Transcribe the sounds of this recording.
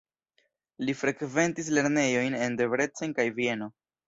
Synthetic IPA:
lifɾe̞kve̞ntis̬le̞ɾne̞jo̞jne̞nde̞vɾe̞t͡senkajvie̞no̞

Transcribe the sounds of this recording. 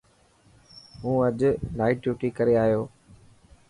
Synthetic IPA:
ɦũːəʄlaːɪʈʈjuːʈiːkəɾeaːɦijoː

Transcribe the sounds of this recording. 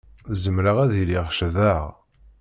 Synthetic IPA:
zəmɾaʁæðiliʁʃðæʁ

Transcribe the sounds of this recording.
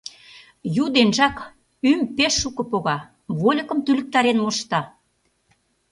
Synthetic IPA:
jud̪enʒɑk | ympeʃːukɤ̆poɣɑ | βolʲɤ̆kə̆mt̪ylə̆k̚t̪ɑɾenmoʃt̪ɑ

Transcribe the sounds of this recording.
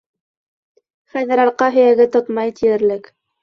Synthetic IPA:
χænɘ̆ɾɑɾqɑɦɵ̆jæɡɘt̪ot̪mɑjt̪ijɘ̆ɾlɘk

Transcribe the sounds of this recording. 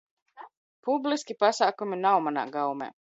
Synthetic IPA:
publiskʲipasaːkuminawmana̰ːɡawmḛː

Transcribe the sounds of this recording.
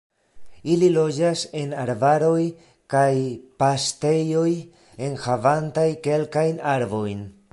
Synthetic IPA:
ililo̞d͡ʒase̞naɾvaɾo̞j | kajpaste̞jo̞j | e̞nhavantajke̞lkajnaɾvo̞jn

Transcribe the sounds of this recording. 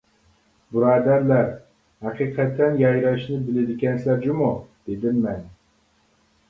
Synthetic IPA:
buɾɑːd̪æɾlæɾ | hɑqʰɨqʰɛt̪ʰːɛnjɑjɾɑʃnɪbɪlɪd̪ɪkʲɛnslæɾd͡ʒumud̪̥ed̪ɪmːɛn

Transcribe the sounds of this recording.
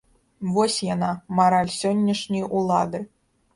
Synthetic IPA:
vɔsʲjanamaɾalʲsʲɔnʲːɐʂnʲɐjulˠad̪ɨ

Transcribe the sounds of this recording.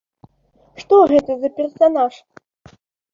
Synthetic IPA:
ʂt̪ɔɣɛt̪ɐzɐpʲɛrsanaʂ

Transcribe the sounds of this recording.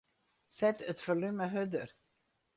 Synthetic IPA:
sɛtətfolyməɦødər

